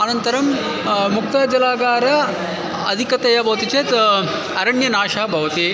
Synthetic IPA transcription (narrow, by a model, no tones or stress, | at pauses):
ɐnɐnt̪ɐɾɐm | muk̚t̪ad͡ʒɐlaːɡaːɾɐ | ɐd̪ʱikɐt̪ejabʱɐʋɐt̪it͡ʃeːt̪ | ɐɾɐɳjɐnaːʃɐɦɐbʱɐʋɐt̪eː